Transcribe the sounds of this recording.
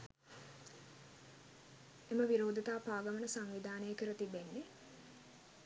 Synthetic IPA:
eməʋiɾoːd̪ʱət̪aːpaːɡəmənəsaŋʋid̪ʱaːnəjəkəɾət̪ibenːe

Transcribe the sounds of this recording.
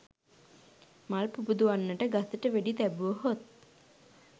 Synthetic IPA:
malpubud̪uanːəʈəɡasəʈəʋeɖit̪æbuʋəɦot̪̚

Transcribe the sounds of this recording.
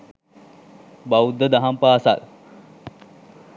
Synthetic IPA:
bawud̪ːəd̪aɦampaːsa̰l

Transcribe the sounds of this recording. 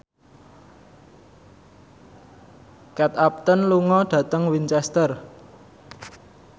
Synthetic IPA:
kɛt̪ap̚t̪ənluŋɔɖ̪̥ä̤t̪əŋwint͡ʃɛst̪ər

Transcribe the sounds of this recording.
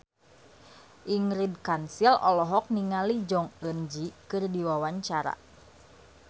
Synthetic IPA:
ʔiŋɾid̚kansilɔlɔɦɔk̚niŋalid͡ʒɔŋənd͡ʒikɨrdiwawaɲt͡ʃaɾa̰

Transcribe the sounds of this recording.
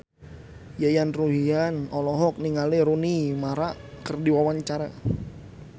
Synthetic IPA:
jajanruɦianɔlɔɦɔk̚niŋaleɾunimaɾakərdiwawaɲt͡ʃaɾa

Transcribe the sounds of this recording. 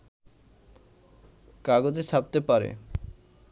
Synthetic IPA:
kaɡod͡ʑet͡ɕʰap̚t̪epaɾḛ

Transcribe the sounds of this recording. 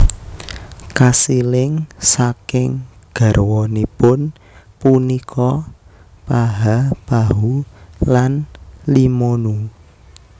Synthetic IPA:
kasilɪŋsakɪŋ | ɡ̥a̤rwɔnipʊn | punikʰɔ | paɦab̥aɦulanlimɔnu

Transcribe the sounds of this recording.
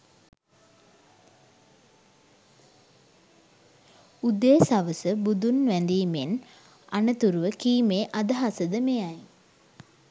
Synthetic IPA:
ud̪eːsaʋəsəbud̪unʋænd̪iːmen | anət̪uɾuʋəkiːmeːʔad̪əɦasəd̪əmejaj

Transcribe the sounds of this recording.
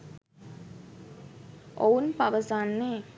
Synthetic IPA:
oːnpɐʋɐsaːnːeː

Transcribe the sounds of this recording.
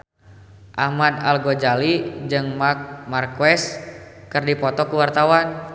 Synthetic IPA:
ʔahmad̪alɡod͡ʒalid͡ʒɨŋmak̚markwɛskɨrdipɔt̪ɔkuwart̪awan

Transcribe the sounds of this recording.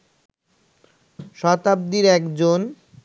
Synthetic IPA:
ʃɔt̪ab̚d̪iɾɛkd͡ʑon

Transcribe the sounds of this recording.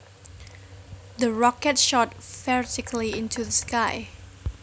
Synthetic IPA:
ðəɹɔkɛtʃɔtfɛɹtɪkʰliɪ̃ntʰuðəskaɪ

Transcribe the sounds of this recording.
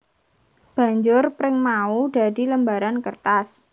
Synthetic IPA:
b̥ä̤ɲd͡ʒʊrpɾɪŋmaud̪̥a̤d̪̥i̤ləmbaɾankərt̪as

